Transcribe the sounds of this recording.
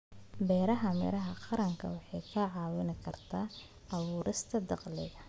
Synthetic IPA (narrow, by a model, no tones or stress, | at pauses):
bɛːɾɐɦɐmɛ̰ɾɐɦɐqɑɾɐŋkʰɐ̰wɑħɑjkʰɐʕɑːwɪnɪkʰɐrt̪ʰaː | ɐβuːɾʔɪst̪ʰɐd̪ɑqlɪ̰ɣɐ